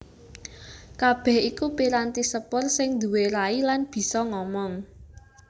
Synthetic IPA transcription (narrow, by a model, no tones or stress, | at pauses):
kab̥ɛ̤hikupiɾant̪isəpʊrsɪŋd̪ṳweɾailanb̥i̤sɔŋɔmɔŋ